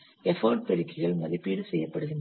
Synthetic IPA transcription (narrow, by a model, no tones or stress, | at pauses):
ɛfɐːɖ̚pɛɽɪkːɪɣɐɭmɐðipːiːɽɯsɛjːɐpːɐɽɯðɯn